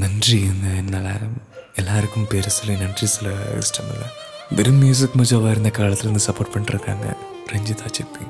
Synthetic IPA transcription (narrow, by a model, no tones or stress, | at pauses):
nɐndriɐnːɐenːaːɭɐ̰ | elːaːɾkːumpeːɾɐsilenɐndrisilɐḭsʈɐmḭlːɐ̰ | d̪eɾummjuːs̬ikːmɐt͡ɕːɐːʋaːjiɾunːɐkaːɭɐt̪ːilonːɨsɐpoːrʈmɐɳɖɨrɐkːa̰ːŋɐ̰ | reɲd͡ʑit̪ʰaːt͡ɕepːi